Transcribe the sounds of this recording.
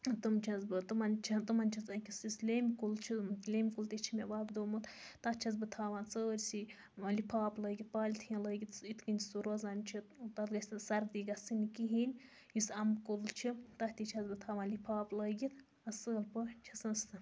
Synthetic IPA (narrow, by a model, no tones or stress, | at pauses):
t̪ɨmt͡ʃʰɐzbɨt̪ɨmɐnt͡ʃʰɐt̪ɨmɐnʲt͡ʃʰɐt͡sɐkʲisislʲemkult͡ʃʰilʲeːmʲkult̪it͡ʃʰimʲeʋaːbd̪oːmut̪t̪ɐtt͡ʃʰɐz̬bɨt̪ʰaːʋãːnt͡səːɾʲsi | lipʰaːplɐːɡit̪̚paːlʲit̪ʰĩləːɡʲit̪it̪kɨnʲʰisuɾozaːnʲt͡ʃʰit̪ɐt̪ɡɐsʲsɐɾd̪iːɡɐst͡sɨnʲikiɦinʲ | jisɐmkult͡ʃʰit̪ɐht̪it͡ʃʰɐzbɨt̪ʰaːʋaːnlipʰaːplɐːɡʲit̪ | ɐsəːlpɨt͡ʃʰɐsɐnst̪ɨ